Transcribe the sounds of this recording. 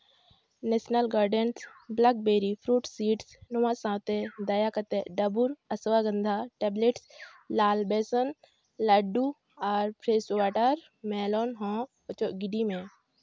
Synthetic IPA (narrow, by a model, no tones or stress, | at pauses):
nesnəlɡaːɾɖensblak̚beːɾipʰɾuːʈsiːʈsnʊʋãsãːwt̪ed̪ɐjakɐt̪eɖɐbuɾɐsʋaːɡənd̪ʱaʈeːbleʈs | laːlbeːsən | lɐɖu | aːɾpɾeːswaːʈəɾ | mɛːloːnɦɔ̃ː | ət͡ʃoɡɪɖimẽː